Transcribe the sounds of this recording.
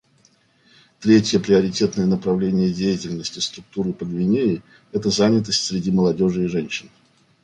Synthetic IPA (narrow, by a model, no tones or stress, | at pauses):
t̪ɾʲetʲjəpɾʲɪɐɾʲɪtʲe̞t̪nəjənəpɾɐvlʲenʲɪjədʲejɪtʲɪlʲnəsʲtʲɪst̪ɾʊk̚t̪uɾɨpəd̪vʲɪnʲeɪ | ɛt̪əzanʲɪt̪əsʲtʲsʲɾʲɪdʲiməlˠɐdʲo̞ʐɨːʐɛnʲɕɪn